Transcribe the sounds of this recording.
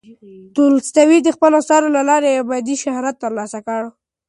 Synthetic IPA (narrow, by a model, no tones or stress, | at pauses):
t̪ulst̪awid̪əxpəlosɑɾolalɑɾeabɑd̪iʃahɾat̪ːəɾlɑsakəɽ